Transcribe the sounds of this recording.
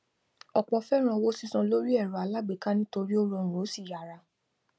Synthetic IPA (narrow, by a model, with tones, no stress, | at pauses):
ɔ˨k͡pɔ˧˦fɛ˦ɾ̃ã˧wo˦si˦sã˧lo˦ɾi˦ɛ˦˨ɾɔ˨a˨˧la˦ɡ͡be˨ka˦nĩ˦to˧ɾi˦o˦ɾɔ˧˨ũ˨ɾo˨˦si˦˨ja˨ɾa˧